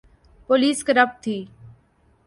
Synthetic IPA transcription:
poːliːskəɾəp̚t̪ʰiː

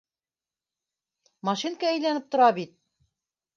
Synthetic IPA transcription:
mɑʃinkææjlænɘp̚t̪ŏɾɑbit̪̚

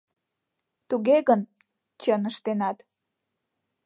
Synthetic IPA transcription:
t̪uɣeɣən | t͡ɕənəʃt̪enɑt̪

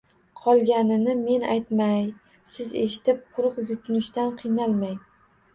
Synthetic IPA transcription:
qʰɒlˠɡʲanɪnɪme̞najt̪maj | sɪze̞ʃɪ̥t̪ɪp̚qʰʊɾʊqjʊt̪ʰʊnɪʃt̪anqʰɨjnalˠmaj

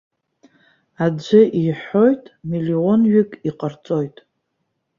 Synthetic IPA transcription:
ad͡ʒʷɨʔiħo̞jtʼmilionɥɪkʼiqʼərt͡sʼo̞jtʼ

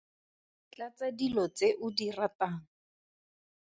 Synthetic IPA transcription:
t͡ɬat͡sadilɔt͡seʔʊdirataːŋ̩

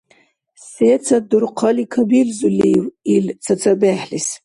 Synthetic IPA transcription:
set͡sʰad̪urqʰalikʰabilzuliwilt͡sʰat͡sʰabaħlis

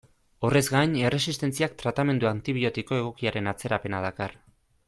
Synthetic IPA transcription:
o̞re̞zɡaɲe̞re̞sist̪e̞nt͡siak̚t̪ɾat̪ame̞nd̪uant̪iβio̞t̪iko̞e̞ɣ̞o̞kiaɾe̞nat͡se̞ɾape̞nað̞akar

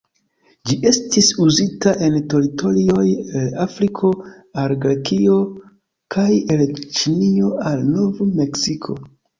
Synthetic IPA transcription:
d͡ʒiʔe̞stisuzitaʔe̞nto̞ɾito̞lio̞jelafɾikʰo̞ | alɡɾekio̞ | kʰajelt͡ʃinio̞alnovme̞ksikʰo̞̰

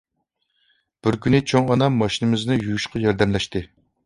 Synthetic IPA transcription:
b̥ɪɾkʲynɪt͡ʃʰoŋɑnɑmːɑʃinɨmɪznɨjujuʃqɑjɑɾd̪ɛmlɛʃt̪ɪ

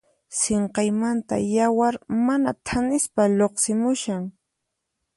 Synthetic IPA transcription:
seɴqɑjmant̪a̰jawaɾmanat̪ʰanɪspaʎoqsɪmʊʃaŋ

